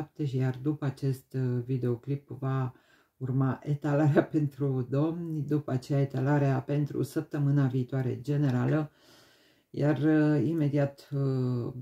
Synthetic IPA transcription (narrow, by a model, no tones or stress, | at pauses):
p̚t̪eʃijard̪upəat͡ʃe̞st̪vid̪e̞o̞klipva | urmaʔet̪alaɾeape̞nt̪ɾud̪o̞mnʲd̪upəat͡ʃe̞jae̞t̪alaɾeape̞nt̪ɾṵsəp̚t̪əmɨnaviːt̪oaɾe̞̰d͡ʒe̞ne̞ɾalə | jarime̞d̪iat̪